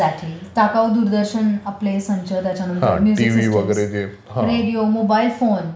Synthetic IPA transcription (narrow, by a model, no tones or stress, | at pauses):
aʈʰiːt̪akawd̪uɾd̪əɾɕənaplesəɲt͡ɕət̪jat͡ɕanənɦ̪aə̰̃nid͡zʈiʋiʋəɡəɾed͡ze | ɦãɾeɽijomobailfon